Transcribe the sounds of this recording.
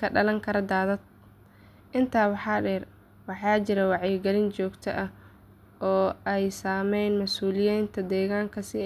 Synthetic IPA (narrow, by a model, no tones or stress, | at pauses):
kʰɐɖɐlɐŋkʰɐɾɐd̪aːðɐd̪̚ | ʔɪnt̪ʰaːwɑħɑːɖɛr | wɑħɑːt͡ʃɪɾɐwɑʕjɪɡɛlɪnt͡ʃɔːɡt̪ʰɐ̰ʔɐh | ʔɔːɛjsaːmɛjnmɐsuːlɪjiːnt̪ʰɐd̪ɛːɣaːŋkʰɐsɪ